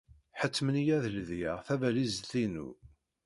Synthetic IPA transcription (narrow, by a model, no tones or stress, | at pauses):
ħət͡sːmənjæðəlðjaʁθævælizθinṵ